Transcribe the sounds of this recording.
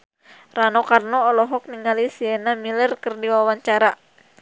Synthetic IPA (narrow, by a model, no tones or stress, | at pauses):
ranɔkarnɔːlɔɦɔk̚niŋalisiɛnamilərkərdiwawaɲt͡ʃaɾa